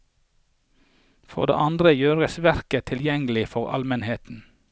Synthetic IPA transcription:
fo̰ːd̪ḛːʔɑnd̪ʁəjøːʁəsʋæɾkət̪ʰɪljɛŋəlɪfɔʁɑ̰lmənheːt̪n̩

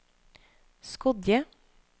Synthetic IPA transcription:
skɔd̪jə

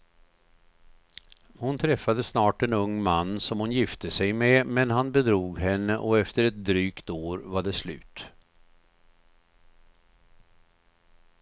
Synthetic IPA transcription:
hʊnt̪ʰɾɛfːad̪əsnɑːʈɛnɵŋːmanːsɔmhʊnjɪft̪əsɛjmɛmɛnɦanbɛd̪ɾuːɡɦɛnːəʔɔɛft̪əɾɛt̪̚d̪ɾyːkt̪oːɾvaɖɛslʉ̟̰ːt̪

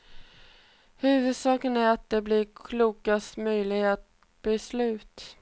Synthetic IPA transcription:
hʉ̟ːvɵd̪sɑːkənæɾat̪̚d̪ɛblɪɾkʰluːkast̪mœjlɪɡa | b̥ɛslʉ̟ːt̪

